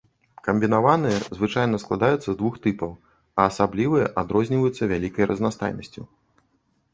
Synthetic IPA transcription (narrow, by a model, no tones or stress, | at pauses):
kɐmʲbʲinavanɨjɐzvɨt͡ʂajnɐsklˠa̰d̪ajut̪sːɐzd̪vuxt̪ɨpɐw | ɐːsablʲivɨjɐʔad̪ɾɔzʲnʲivɐjut̪sːɐvʲalʲikɐjrʔɐznast̪a̰jnɐsʲt͡sʲu